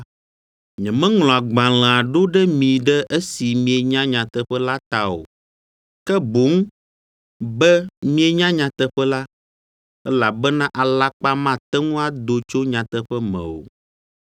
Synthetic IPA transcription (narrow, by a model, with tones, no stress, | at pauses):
ɲɛ̃˨mɛ̃˦ŋl̃ɔ̃˨a˨ɡ͡bã˨l̃ɛ̃˨a˨ɖo˦ɖɛ˦mĩ˨ɖɛ˦ʔe˦si˨mĩ˨e˨ɲã˦ɲã˨t̪ɛ˨ɸɛ˦la˦t̪a˨o̰˨ | kɛ˦bo˨˦ŋ˦ | bɛ˦mĩ˦e˨ɲã˦ɲã˨t̪ɛ˦ɸɛ˦la˦ | ɛ˦la˨bɛ˦nã˦ʔa˨la˦k͡pa˦mã˦˨t̪ɛ˦ŋũ˦a˦d̪o˨t͡ʃo˦ɲã˨t̪ɛ˦ɸɛ˦mɛ̰̃˨wo̰˨